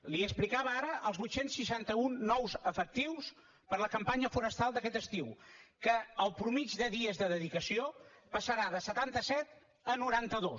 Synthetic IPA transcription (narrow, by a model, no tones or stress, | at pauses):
liəsplikaβəaɾəʔəlˠzβut̪sensːiʃant̪əunːɔwzəfək̚t̪iws | pəɾləkəmpaɲəfuɾəst̪alˠd̪əkɛt̪əst̪iwkəːlˠpɾumid͡ʒðəðiəzðəðəðikəsiopəsəɾaðəsət̪ant̪əsɛt̪ | ənuɾant̪əðo